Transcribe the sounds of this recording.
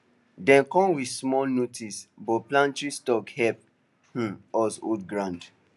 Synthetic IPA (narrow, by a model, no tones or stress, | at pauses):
dɛ̃nkɔ̃nwismɔlnotisbɔplãntɹistɔkhɛp̚ | h̩ɔso̰dɡɹãnd